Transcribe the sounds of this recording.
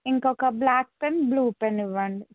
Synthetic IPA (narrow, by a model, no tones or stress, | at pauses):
iŋkɔkɐblaːk̚penbluːpeniʋɐɳɖ